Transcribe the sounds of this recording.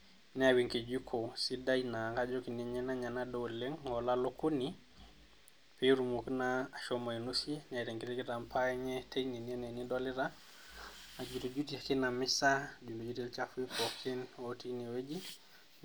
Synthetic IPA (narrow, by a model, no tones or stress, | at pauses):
nɛawiŋked͡ʒukʰosidajnakad͡ʒokiniɲenaɲanadoleŋolalokuni | peɾumoknaːʃomainusinaɾeŋkiɾekitampʰaɲetejninienenidoliɾa | ad͡ʒutud͡ʒutiakinamisad͡ʒundod͡ʒutilt͡ʃafupokʰinwotiniwed͡ʒi